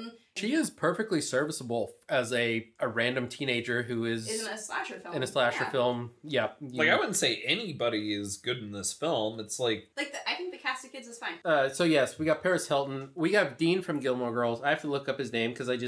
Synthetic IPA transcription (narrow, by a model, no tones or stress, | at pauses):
ʃiɪz̥pʰɜ˞fɨk̚tˡlisɜ˞vɨsəbl̩ˠɨzɨɨɹæ̃ndɨ̃mtʰĩñeɪd͡ʒə˞ɦʉɪzslæʃə˞ɨ̃nɨslæʃə˞fɪlˠmjɛp̚aɪkaɪwʊdⁿn̩tseɪʔɛnibɑɾiɪzɡʊɾn̩ðɪsfɪlˠmɨtslaɪk̚laɪk̚ɨaɪθɪ̃ŋk̚ðɨkʰæsɨkʰɪdzɨz̥fãɪ̃nʌsoʊjɛswiɡɑt̚pʰɛɹɨshɛlˠtⁿn̩wiɨvdĩnfɹʌ̃mɡɪlˠməɡɜ˞lˠzaɪhæftəlʊkʌp̚hɨznẽɪ̃mkʰʌzaɪd͡ʒʌ